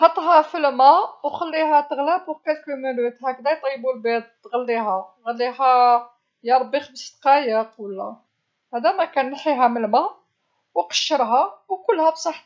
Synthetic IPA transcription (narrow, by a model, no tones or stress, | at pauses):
ħɑt̪ˤɦæfəlmæwxəlːihæt̪əɣlæbwkælkumunit̪hæk̚d̪æjt̪ˤɑjːbulbit̪̚t̪ɣəlːiɦæɣəlːiɦæ | jɑɾˤbːixbəst̪qɑjəqulːæ̰ | hæd̪æmækænːħiɦæməlmæ | wqə̥ʃːəɾˤɦæwkʊlːhæbsˤɑħ